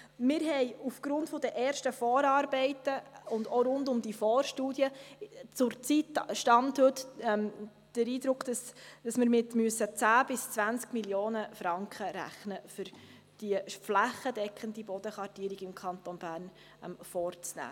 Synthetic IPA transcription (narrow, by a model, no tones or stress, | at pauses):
mɪɾɦɛɪufɡ̥ɾʊntfɔd̥əʔɛːɾʃtəfɔːɾɑːɾbɛɪtəʊndoɾʊndʊmd̥ifɔːɾʃtuːdjət͡sʊɾt͡sit̪ʃtɑnthɵtm | d̥əɾiːd̪ɾʊkd̥ɑsd̥ɑsmɪɾmɪtmyəsːət͡sæːb̥ɪst͡svænt͡skmiljoːnəfɾɑŋkχəɾæ̰χnəfʏɾ | d̥iəflæχːədɛkχəndibɔd̥̪əχɑɾtiəɾiɡɪmkʰɑnt̪onbæːrn | ɛ̰mfɔːɾt͡snæ̰ː